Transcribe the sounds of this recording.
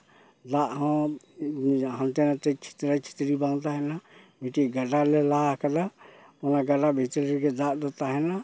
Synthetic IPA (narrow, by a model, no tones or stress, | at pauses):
d̪aʔɦɔ̃ | ɦãnt̪ɛnat̪ɛt͡ʃʰi̥t̪ɾat͡ʃʰi̥t̪ɾibaŋt̪aɦɛna | bʱiʈiɡəɖalɛlaɦkəd̪a | ɔnaɡaɖabʱit̪lɛɾɡɛd̪aʔd̪ɔt̪aɦɛna